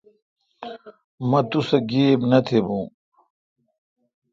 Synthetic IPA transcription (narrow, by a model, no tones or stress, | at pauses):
mɐ̃t̪usɐɡeːbnɐt̪ʰebũː